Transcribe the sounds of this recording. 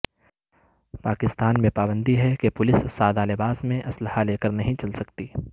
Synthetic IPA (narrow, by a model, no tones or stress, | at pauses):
paːkɪst̪aːnmẽpaːbə̃nd̪iɦɛkepʊlɪsːaːd̪alɪbaːsmẽʔɐsləhaleːkəɾnɐɦĩt͡ʃɐlsɐkt̪iː